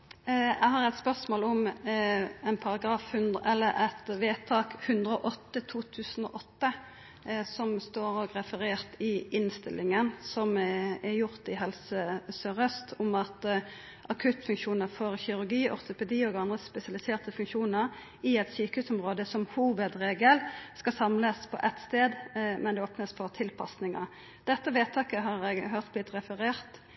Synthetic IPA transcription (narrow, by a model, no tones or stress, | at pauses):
ɛɦɑʁɛɪt̪spœʁsmoːlʊm | ɛnpʰɑʁɑɡɾɑːfhʉnɛlːəɾɛt̪ʋeːt̪ʰɑːkhʉnd̪ɾʁəɔʔɔt̪ːət̪ʰuːt̪ʰʉːsən̩o̰ːʔɔt̪ːə | sɔmst̪oːɾɔɡɾɛfəɾeːʁt̪ɪʔɪnst̪ɪlɪŋənsɔmɛjʊʁt̪ɪɦɛlsəsœʁœst̪ʰʊmɑt̪ | ʔɑkʰʉt̪fʉŋkʃuːnəʁfɔʁçɪɾʉʁɡiːʔɔ̰ʁt̪ʊpɛd̪iːɔɡɑnd̪ʁəspɛsɪɑlɪseːʁt̪əfʉŋkʃuːnəɾ | ɪɛt̪syːkəhʉːsʊmʁoːd̪əsɔmhuːʋəd̪ɾeːɡəlskɑsɑmləspʰɔ̰ʔɛt̪st̪eːd̪mɛnd̪ɛoːpnəsfɔʁt̪ʰɪlpʰɑ̰snɪŋɑ̰ | d̪̥ɛt̪ːəʋeːt̪ʰɑːkəɦɑʁɛɡɦøʁt̪̚b̥lɪt̪ːɾɛfəɾeːʁt̪